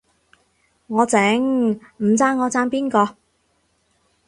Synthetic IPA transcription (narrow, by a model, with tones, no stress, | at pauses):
ŋɔː˨˧t͡sɛː˨˥ŋm̩˨˩t͡saː˧nŋːɔː˨˧t͡saː˥npiː˥nkɔː˧